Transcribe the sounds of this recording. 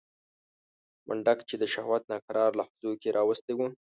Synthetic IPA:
mʔa̰ɳɖakt͡ʃed̪əʃahwat̪̚nakaɾɑɾlaxʊzokeɾʔɑwəst̪ewu

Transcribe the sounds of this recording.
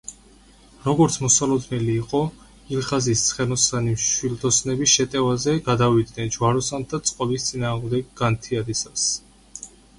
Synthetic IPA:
ɾɔɡɔɾt̪sʰmɔsalˠɔd̪nɛliːqʼɔ | ilχazist̪sʰχɛnɔsaniʃwild̪ɔsnɛbisʃɛt̪ʼɛvazɛɡad̪avid̪nɛnd͡ʒvaɾɔsand̪at̪sʼqʼɔbist̪sʼinaːʁmd̪ɛɡɡant̪ʰiad̪isas

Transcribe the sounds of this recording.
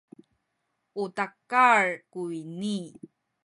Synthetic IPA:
utakaɹkuini

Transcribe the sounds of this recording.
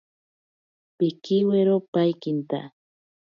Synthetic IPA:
pɪkɪweɾopajkɪnt̪a̰

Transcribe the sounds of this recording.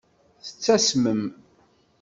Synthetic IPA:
θə̥t͡sːæsməm

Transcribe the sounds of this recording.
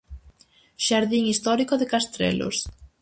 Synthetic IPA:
ʃaɾðiŋist̪ɔɾikoðekast̪ɾḛlo̰s

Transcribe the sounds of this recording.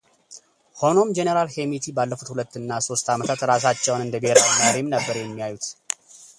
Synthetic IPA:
ho̞no̞md͡ʒenəɾalhe̞mit̪ʰibalːəfut̪hulət̪ːɨnːaso̞st̪amət̪ʰat̪ɾas̬at͡ʃːɛwnɨnd̪əbeɦeɾawinəɾemnəbːəɾjɛmːijajut̪

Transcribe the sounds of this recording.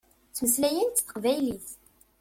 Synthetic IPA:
t͡sːməslæjənt̪ːθə̥qvæjliθ

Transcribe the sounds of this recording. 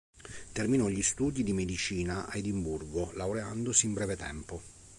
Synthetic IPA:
t̪erminɔʎist̪uːd̪id̪imed̪it͡ʃiːnaʔaed̪imburɡolawɾeand̪osiːmbɾɛːvet̪ɛ̰mpo

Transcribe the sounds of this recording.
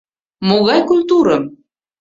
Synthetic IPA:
moɣɑjkulʲt̪uɾɤ

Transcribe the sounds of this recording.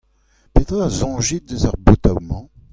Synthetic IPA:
pet̪ʁazɔ̃ʒit̪̚dəzœʁbot̪a̰wmɑ̃

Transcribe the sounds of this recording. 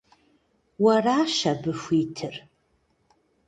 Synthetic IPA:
waraʃabɨfitʰɨr

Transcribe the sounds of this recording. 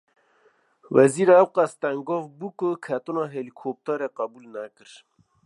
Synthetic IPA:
wæziːɾːwqæst̪æŋɡoːvbukʊkʰæt̪unɑɦelikʰoːp̚t̪ɑɾeqæbuːlnækɨɾ

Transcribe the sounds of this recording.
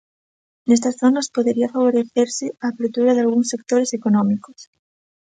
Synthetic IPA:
nes̬t̪asθonɐspoðeɾiafaβ̞oɾeθeɾsɪaːpeɾt̪uɾaðealɣ̞uŋsek̚t̪oɾesekonõmikos

